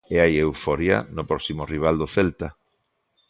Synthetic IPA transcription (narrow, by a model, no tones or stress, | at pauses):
eajewfɔɾja̰nʊpɾɔsimʊriβ̞ald̪oθelt̪a